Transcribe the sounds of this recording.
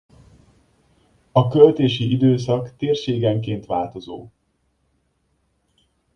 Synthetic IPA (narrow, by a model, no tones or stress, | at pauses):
ɒkølt̪eːʃiid̪øːs̬ɒkt̪eːrʃeːɡɛŋkeːnt̪ʋaːlt̪o̞zoː